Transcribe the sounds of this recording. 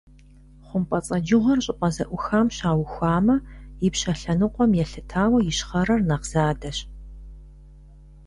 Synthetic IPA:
χʷʊmpʼɐt͡sʼɐd͡ʒɪʁʷɔrɕʼɪʔʷʼɐzɐʔʷʊxaːmɕaːwxʷaːmɐjɪpɕɐɬɐnɨqʷʼɔmjɛɬɨtʰaːwɐjɪɕχɐɾɐrnɐqz̥aːdɐɕ

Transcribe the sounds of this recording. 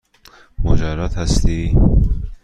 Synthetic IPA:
mod͡ʒæɾɒːt̪hæst̪iː

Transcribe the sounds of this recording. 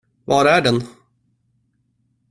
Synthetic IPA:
vɑːɾæɖɛn

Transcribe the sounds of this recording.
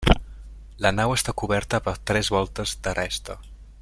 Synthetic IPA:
lənawəst̪akuβɛɾt̪əpət̪ɾɛzβɔlˠt̪əzd̪ərɛst̪ə

